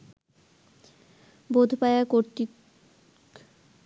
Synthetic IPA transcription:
bod̪ʱpaeakoɾt̪i

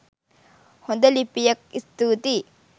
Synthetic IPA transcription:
hond̪ɐlipːijɐk̚ist̪ut̪i

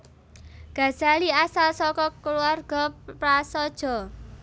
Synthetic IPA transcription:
ɡ̥ä̤z̥a̤liasalsɔkɔkəluarɡ̥ɔ̤pɾasɔd̥ʒ̥ɔ̤

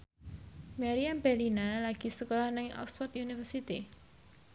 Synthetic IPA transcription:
maɾiambɛlinalaɡ̥i̤səkolɔhnɪŋɔ̰ksfɔrt̪junifərsit̪i

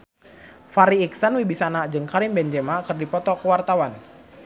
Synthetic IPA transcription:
faɾiːksanwibisanad͡ʒɨŋkaɾimbɛnd͡ʒɛmakərdipɔt̪ɔkəwart̪awan

